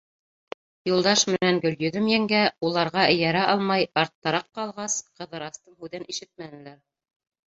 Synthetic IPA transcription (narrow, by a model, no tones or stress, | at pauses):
julˠd̪ɑʃmɘ̆næŋɡɵ̆ljɵ̆ðɘmjæŋɡæulˠɑɾʁɑʔɘ̆jæɾæʔɑlˠmɑjɑɾt̪ːɑ̆ɾɑqːɑlˠʁɑsqɤ̆ðɤ̆ɾɑst̪ɤɴhʉðɘniʃɘt̪̚mænɘ̆læɾ